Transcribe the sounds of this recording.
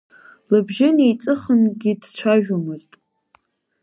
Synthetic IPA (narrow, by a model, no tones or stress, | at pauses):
lɨbʒɪnejt͡sʼɨχənɡʲɪdt͡ʃʷʰaʒᶣomɨztʼ